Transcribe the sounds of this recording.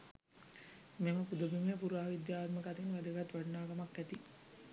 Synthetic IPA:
meməpud̪əbimejəpuɾuʋaːʋid̪jaːt̪məkat̪inʋad̪əɡat̪ʋaɖnaːɡamakːæt̪i

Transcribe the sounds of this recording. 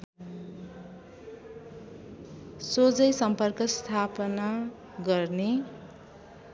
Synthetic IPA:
sod͡zʌjsʌmpʌrkʌst̪ʰapʌna | ɡʌrne

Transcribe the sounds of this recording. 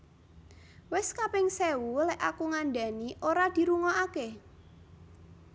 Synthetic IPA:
wɪskapɪŋsɛwulɛʔakuŋanda̤niʔoɾad̪̥i̤ɾuŋɔake

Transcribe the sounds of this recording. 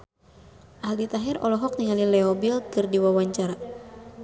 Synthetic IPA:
ʔaɦlit̪aɦirɔ̰lɔɦɔk̚niŋalilɛɔbilkɨrdiwawaɲt͡ʃaɾa

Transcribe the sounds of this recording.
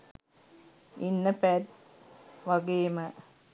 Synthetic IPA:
inːəpæt | ʋaɡeːmə

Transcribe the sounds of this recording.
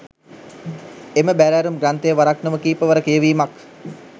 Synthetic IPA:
eməbæɾæːɾumɡrant̪əjəʋaɾaknəʋəkiːpəʋəɾəkijəʋiːmak

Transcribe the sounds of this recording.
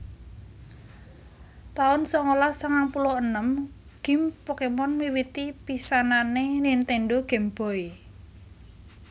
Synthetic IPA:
t̪aʊnsɔŋolasəŋaŋpulɔənəm | ɡ̥i̤mpokemɔnmiwit̪ipisananenint̪enɖoɡ̥ɛ̤mb̥ɔ̤i

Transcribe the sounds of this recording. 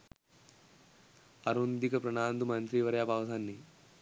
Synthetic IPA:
ɐɾund̪ikɐpɾɐɳaːnd̪umɐnt̪ɾiːʋɐɾjaːpaːʋɐsɐnːi

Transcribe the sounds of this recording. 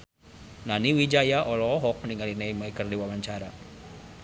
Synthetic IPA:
naniwid͡ʒajaʔɔlɔːɦɔk̚niŋalinejmaikərdiwawaɲt͡ʃaɾa

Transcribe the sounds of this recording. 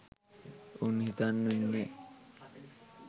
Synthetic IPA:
unɦit̪anːuɲːe

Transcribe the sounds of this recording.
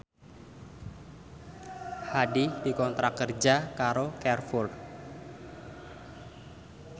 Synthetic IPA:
hadid̥ikɔnt̪ɾakərd͡ʒakaɾokɛrfur

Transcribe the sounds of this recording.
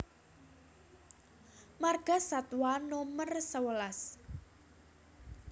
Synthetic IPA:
marɡ̥a̤sat̪wanomərsəwəlas

